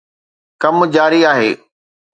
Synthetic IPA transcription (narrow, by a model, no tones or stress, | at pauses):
kɐmd͡ʑaːɾiaːɦḛː